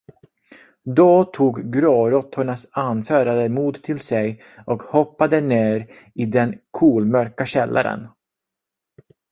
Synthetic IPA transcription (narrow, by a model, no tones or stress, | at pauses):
d̪ɔt̪ʰuːɡɡɾoːɾɔt̪ʰːʊɳasanfœːɾaɾəmuːd̪t̪ʰɪlsɛj | ɔkhɔpːad̪əneːɾ | ɪd̪ɛnkʰuːlmœɾkaɕɛlːʔa̰ɾə̰n